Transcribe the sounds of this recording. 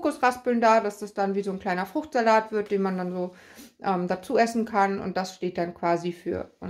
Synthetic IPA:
kʊsʁaspl̩ndaːdasd̥asd̥anviːzoːnkl̥aɪnɐfʁ̥ʊxtz̥alaːtv̥ɪɐt̚d̥eːnmandanzoː | ʔɛːmdat͡suːɛsn̩kʰanʊ̰ntd̥asʃteːt̚d̥ankv̥aːzifyːɐʔʊn

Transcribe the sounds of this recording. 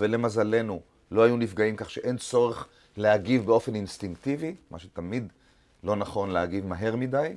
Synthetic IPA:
vele̞mazale̞nu | lo̞ajunifɡaimkaχʃeʔe̞nt͡so̞ʁeχ | leaɡivbe̞o̞fe̞ninst̪iŋkt̪ivima̰ʃut̪amid̪ | lo̞naχo̞nleaɡivmaɦe̞ʁmid̪aj

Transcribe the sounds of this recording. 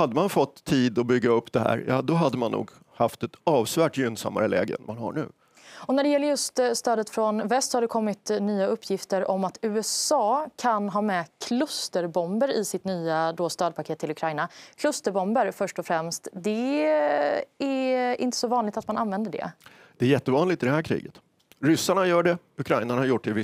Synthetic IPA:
had̪ːəmanfɔt̪ʰːiːd̪ɔbʏɡːaɵpːd̪ɛɦæ̰ːɾjɑːd̪ɔɦad̪ːəmanːṵːɡ | haft̪ɛt̪ɑːvsvæːʈjʏnsa̰mːa̰ɾəlɛ̰ːɡə̰nmanha̰ɳʉ̟̰ː | ɔnæɖɛjɛlːəɾjɵst̪st̪œːd̪ət̪fɾɔnvɛst̪sɔhad̪ɛkʰɔmːɪt̪nyːaɵpʰːjɪft̪əɾɔmːat̪ʉ̟ːɛsɑːkʰanɦɑːmɛkʰlɵst̪əɾbɔmbəɾɪsɪt̪nyːad̪oːst̪ɑːd̪pʰakʰeːt̪ʰːɪlɵkʰɾajnakʰlɵst̪əɾbɔmbəɾfœʂʈɔfɾɛmst̪d̪ɛ | æɾɪ̰nt̪ə̥sɔvɑːnlɪɡ̚t̪at̪mananvɛnd̪əɖɛ̰ | d̪̥ɛæɾjɛt̪ːəvɑːnlɪɡt̪ɪd̪ɛhæɾkʰɾḭːɡət̪ | ɾʏsːaɳajœːɖɛ | ɵkʰɾajnanhaɾjʊʈ̚ːɪvɪ

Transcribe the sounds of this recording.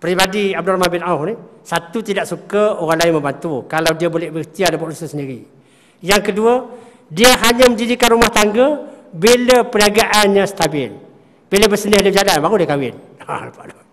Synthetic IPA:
pɾibadiab̚dɔlmanbɪnahnisat̪ut̪idaʔsukaoɣaŋlaɪnməmbant̪ukalawdiabolɛhbəit̪iadapaʔlusəsəndiɾi | jaŋkəduə | diəɦaɲaməndidikanrumaht̪aŋɡəbeləpənaɡaʔanɲãsə̥t̪abɪl | b̥eləbəsənəhdəd͡ʒalanbaɣulahkawɪn | a̰lapa̰ʔdo

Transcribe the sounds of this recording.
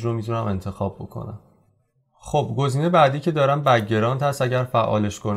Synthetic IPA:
ɾomit̪ʰunæmʔe̞nt̪ʰe̞xɒːb̚bo̰kʰo̰næ̰m | χobɡo̞ziːnebæːd̪iːcʰe̞d̪ɒːɾæmbæɟe̞ɾɒːnt̪ʰhæst̪æɟæɾfæʔɒ̰ːle̞ʃkʰon

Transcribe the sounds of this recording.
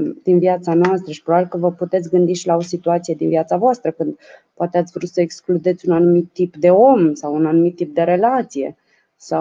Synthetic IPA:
d̪̥inviat̪sanoast̪ɾəʃipɾobabilkəvəput̪e̞t̪sʲɡɨnd̪iʃilao̞sit̪uat̪sije̞d̪inviat̪savoast̪ɾəkɨnd̪poat̪eat̪sʲvəɾut̪səeksklud̪e̞t̪sʲunanumit̪ːipd̪e̞o̞msawunanumit̪ːip̚d̪e̞ɾe̞lat̪sije̞̰ | sa

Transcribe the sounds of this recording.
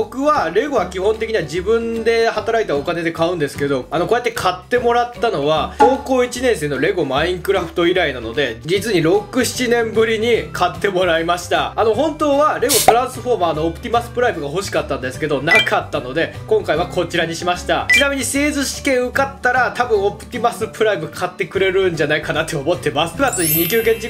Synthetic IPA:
okɯ̟βaɾe̞ɡo̞βakʲiɦõ̞nt̪e̞kʲiɲ̟iβad͡ʑibɯ̟̃nd̪e̞hat̪aɾait̪aokane̞d̪e̞kaɯ̟̃nd̪e̞sɨ̥ke̞d̪o̞ano̞ko̞jet̪ːe̞kʰat̪ːe̞mo̞ɾat̪ːano̞βat̪o̞ːko̞ːit͡ɕinẽ̞ɰs̬eːno̞ɾe̞ɡo̞maĩŋkɯ̟ɾaɸɯ̟̥t̪o̞iɾainano̞d̪e̞d͡ʑit͡sɨɲ̟iɾo̞kɯ̟ɕi̥t͡ɕinẽ̞mbɯ̟ɾʲiɲ̟ikʰat̪ːe̞mo̞ɾaimaɕi̥t̪aano̞ɦõ̞nt̪o̞ːβaɾe̞ɡo̞t̪o̞ɾãɰ̃sɨɸo̞ːmaːno̞ːpɯ̟t̪ʲimasɨ̥pɯ̟ɾaibɯ̟ɡaɦo̞ɕi̥kat̪ːãnd̪e̞sɨ̥ke̞d̪o̞nakat̪ːano̞d̪e̞kõ̞ŋkaiβ̞ako̞t͡ɕiɾaɲ̟iɕimaɕi̥t̪a̰t͡ɕinamʲiɲ̟ise̞ːzɨɕi̥kẽ̞ɰ̃ɯ̟kat̪ːaɾat̪abɯ̟̃ɰ̃o̞pɯ̟̥t̪ʲimasɨpɯ̟ɾaibɯkʰat̪ːe̞kɯ̟ɾe̞ɾɯ̟̃ɲ̟d͡ʑanaikanat̪ːeomo̞t̪ːe̞masɨ̥pɯɾat͡sɨɲiɲ̟ik̬ʲɨːkẽ̞ɲt͡ɕi

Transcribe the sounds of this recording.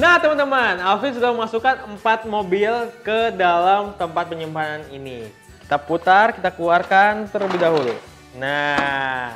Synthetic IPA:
naht̪əmant̪əmanalfins̬udahməŋasukanəmpat̪̚mobilkədalamt̪əmpat̪̚pəɲəmbananini | ki̥t̪aput̪arkit̪akəluarkant̪ərləbɪɦdaɦulṵ | na

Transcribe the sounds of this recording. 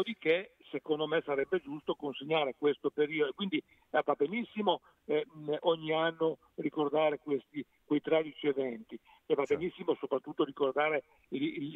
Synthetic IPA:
od̪ikesekond̪omesaɾɛbːed͡ʒust̪okonseɲːaːɾekwest̪opeɾiːod̪okwind̪i | vabːenisːimo | ɛʔɔɲːianːo | rikord̪aːɾekwest̪i | kwejt̪ɾɛːd̪it͡ʃievɛnt̪i | evabːenisːimosopɾat̪ːut̪ːoɾikord̪aːɾe | il

